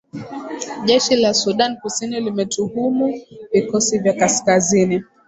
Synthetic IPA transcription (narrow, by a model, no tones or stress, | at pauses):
ʄɛʃilasuɗankusinilimɛtuhumuvikɔsivjakaskazini